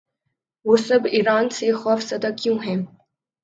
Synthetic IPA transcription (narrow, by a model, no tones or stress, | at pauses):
ʋoːsɐbiːɾaːnsexɔːfsɐd̪akjũɦɛ̃ː